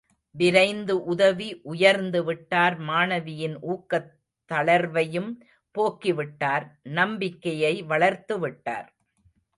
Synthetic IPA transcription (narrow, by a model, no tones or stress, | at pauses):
ʋɪɾɐɪnd̪ɯʔʊðɐʋiʔʊjɐɾnd̪ɯʋɪʈːaːɾmaːnɐʋɪjɪnʔuːkːɐt̪ːɐɭɐɾʋɐjɯm | poːkːiʋɪʈːaːɾnɐmbɪkːɐjɐɪʋɐɭɐɾt̪ɯʋɪʈːa̰ːɾ